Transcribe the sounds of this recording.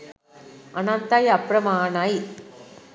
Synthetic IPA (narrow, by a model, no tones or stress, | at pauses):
ʔɐnɐnt̪ːaːjɐpɾɐmaːnaj